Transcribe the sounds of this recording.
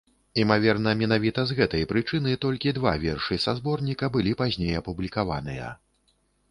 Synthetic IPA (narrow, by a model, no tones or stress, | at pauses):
imavʲɛrnɐmʲɛnavʲit̪ɐzɣɛt̪ɐjpɾɨt͡ʂɨnɨt̪ɔlʲkʲid̪va̰vʲɛrʂɨsazbɔrnʲikɐbɨlʲipazʲnʲejɐpublʲikava̰nɨjɐ̰